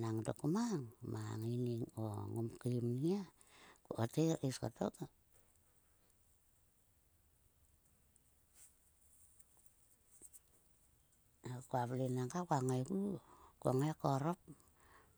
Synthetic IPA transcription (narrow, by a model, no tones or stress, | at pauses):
naŋdokumaŋmaŋiniŋo̰ŋumkimnia | kuʔoteiska̰to̰k | akuaβlenaŋɡakuaŋajɡukuaŋajkoɾop̚